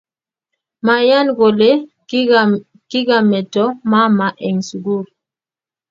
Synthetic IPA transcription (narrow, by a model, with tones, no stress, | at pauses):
ma˨ja˦nɡo˨le˦ | ki˦ɡa˨mɛ˨tɔ˦ma˦ma˨ʔɛ˨ŋsu˨ɡu˦˨ɾ